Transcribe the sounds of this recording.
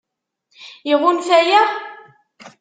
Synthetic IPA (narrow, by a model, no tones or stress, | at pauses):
jəʁunfæjæ